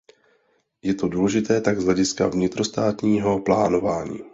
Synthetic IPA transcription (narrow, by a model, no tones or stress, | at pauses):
jɛt̪o̞duːlɛʒɪt̪ɛːt̪aɡzɦlɛɟɪskavɲɪt̪ɾo̞st̪aːt̪ɲiːɦo̞plaːno̞vaːɲḭː